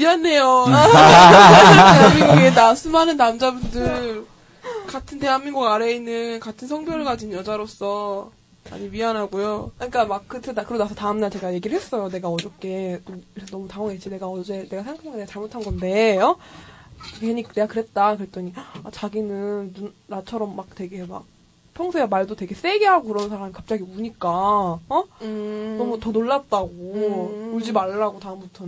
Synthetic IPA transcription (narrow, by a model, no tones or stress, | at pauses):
ɥianːe̞jo | teɦamːiɡuɡenasʰɯmanɯnːamd͡ʑabundɯɭ | katʰɯnte̞ɦanmːiŋɡuɡaɾe̞inːɯnkatʰɯnsʰʌŋbjʌɯɭɡad͡ʑinjʌd͡ʑaɾos͈ʌ | a̰ɲibianɦaɡojokɯɲik͈amakkɯtʰɯdakɯɾonasʰʌtaɯmnaɭt͡ɕe̞ɡajeɡiɾɯɭhes͈ʌjone̞ɡaʌd͡ʑʌk͈e̞kɯɾesʰonʌmutaŋɦʌŋet͡ɕʰine̞ɡaʌd͡ʑe̞ne̞ɡasʰeŋkʰoŋeneat͡ɕaɭmotʰanɡʌnde̞ʌ | ɯkeɲikne̞ɡakɯɾet̚t͈akɯɾet͈ʌŋiat͡ɕaɡinɯnːunːat͡ɕʰʌɾʌmːak̚twe̞ɡe̞ma̰k̚ | pʰjʌŋsʰeamaɭdotwe̞ɡe̞s͈e̞ɡeɦaɡokɯɾʌnsʰaɾamikap̚t͡ɕ͈aɡiuɲik͈aʌ | nʌmutʌnoɭːat̚t͈aɡooɭd͡ʑimaɭːaɡotaɯmbutʰʌn